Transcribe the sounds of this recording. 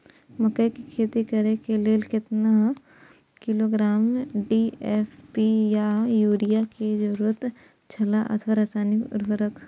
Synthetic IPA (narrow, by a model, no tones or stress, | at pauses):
mɐkəjkikʰeːt̪ikɐɾekeleːlkɪt̪na | kɪloɡɾaːmɖieːfpijajuːɾijaked͡ʒɐɾuːɾət̪ | t͡ʃʰɐlaʔɐ̰t̪ʰʋaɾasaːnikʊ̰d̪bəɾək